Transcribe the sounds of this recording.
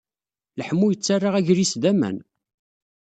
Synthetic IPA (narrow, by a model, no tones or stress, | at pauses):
ləħmːujət͡sːarːaʁæʝɾisd̪æmæ̰n